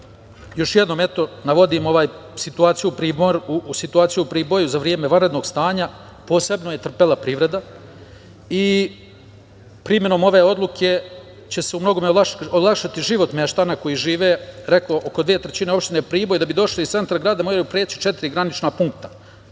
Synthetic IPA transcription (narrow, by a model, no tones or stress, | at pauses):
jo̞ʃjed̪no̞met̪o̞naʋo̞d̪iːmo̞ʋaːjsit̪uaːt̪sijuupɾiːboɾusit̪uaːt̪sijuupɾiːbo̞juzaʋɾijemeʋanɾed̪no̞ːɡst̪aːɲa | po̞ːse̞bno̞je̞t̪r̩pelapɾiʋɾe̞d̪a | i | pɾimje̞no̞mo̞ʋe̞ːo̞d̪lˠukʰe̞ | t͡ɕe̞seumno̞ɡo̞meolˠakʃat̪iʒiʋo̞t̪meʃt̪anako̞jiʒiːʋeːɾe̞kloʔokod̪ʋiet̪ɾet͡ɕine̞o̞pʃt̪ine̞pɾiːbo̞jd̪abid̪o̞ʃliist̪se̞nt̪ɾaɡɾaːd̪amoːɾajupɾeːt͡ɕi̥t͡ʃe̞t̪iɾiɡɾanit͡ʃnapuŋkt̪ḁ